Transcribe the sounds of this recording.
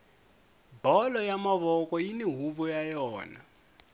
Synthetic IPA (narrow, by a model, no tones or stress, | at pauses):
bɔlɔjamaβɔkʼɔjiniɦuβɔjajɔːna̰